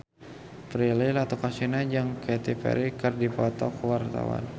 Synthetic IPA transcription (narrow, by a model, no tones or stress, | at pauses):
pɾililat̪ukasinad͡ʒɨŋkɛt̪ipɛ̰ɾikɨrdipɔt̪ɔkəwart̪a̰wa̰n